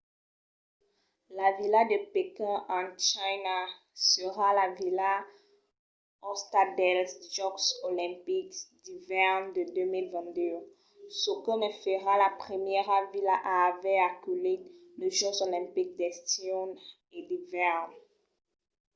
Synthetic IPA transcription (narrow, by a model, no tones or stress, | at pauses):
lavilad̪əpekɛ̃ɑ̃t͡ʃajna | səʁalavila | ɔst̪ad̪ɛlsd͡ʒɔksolɛ̃pikd̪ivɛʁnd̪əd̪ømilvɛ̃d̪ø | səkənəfəʁalapχəmjɛʁavilaʔaːvɛakyleləʒɔ̃solɛ̃pik̚d̪ɛst̪iɔn | ed̪ivɛʁn